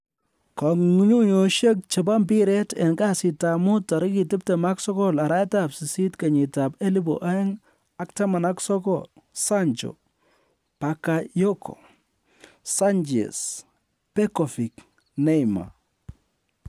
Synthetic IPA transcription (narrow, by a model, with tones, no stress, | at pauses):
kaŋŋu˦ɲu˦ɲo˨ʃe˦k̚t͡ʃe˨ba˦mbi˦ɾɛ˦tɛ̰˨nɡa˦sɪ˨ta˨mʊ˦ta˨ɾɪ˦ki˨tɪ˦p̚te˨ma˦ksɔ˦kɔ˦la˨ɾa˦ta˦psɪ˨si˦tka˨ɲi˨ta˨pe˦li˦bo̰˨ʔa˦ɛ˦ŋ | a˦kta˦ma˨na˦ksɔ˦kɔ̰˨lsa˦nt͡ʃo̰˨ | pa˨kajo˦kʰo̰˨ | sa˦nd͡ʒḛ˨s | pɛ˦kɔ˨fi˨k | ne˦jma̰˨